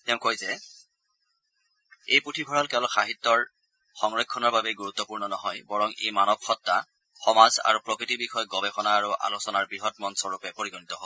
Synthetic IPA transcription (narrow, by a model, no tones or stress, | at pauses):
tɛʊ̃kojzɛ | ejputʰibʱɔɹalkɛʊ̃lɔxʰaɦit̪ːɔɹ | xɔŋɹɔkʰːɔnɔɹbabɛɡuɹut̪ːɔpuɹnɔnɔɦɔjbɔɹɔŋḛjmanɔbxɔtːa | xɔmaza̰ɹupɹɔkɹitibixɔjɔɡɔbɛxɔnaːɹuʔa̰losɔnaɹbiɦɔtmɔnsɔɹupɛpoɹiɡɔnitɔɦo